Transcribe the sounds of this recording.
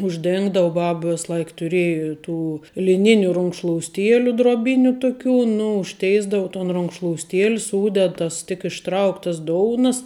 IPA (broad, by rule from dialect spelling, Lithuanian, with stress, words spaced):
ʊʒʲˈdʲeːŋɡdɐʋɐ ˈbɐp ˈʋʲeːs ˈlˠɐɪk tʊˈrʲeːjɪ ˈtuː lʲɪˈnʲɪnʲʊ rʊŋkʃlˠoːʊsʲˈtʲiɛlʲʊ droːˈbʲɪnʲʊ ˈtʊˌkʲuː ˈnʊ ʊʃʲˈtʲɛɪzdɐʊ toːn rʊŋkʃlˠoːʊsʲˈtʲiɛlʲ ˈsuːdʲɛt ˈtɐs tʲɪk ɪʃˈtrɐʊktɐs ˈdoːʊnɐs